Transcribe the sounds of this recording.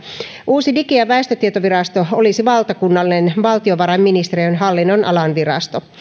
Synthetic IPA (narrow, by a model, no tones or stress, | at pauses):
ʔuːsidikijɑʋæest̪øt̪iet̪oʋiɾɑst̪oolisiʋɑlt̪ɑkunːɑlːinenʋɑlt̪ioʋɑɾɑmːinist̪eɾiønɦɑlːinːonʔɑ̰lɑnʋiɾɑ̰st̪o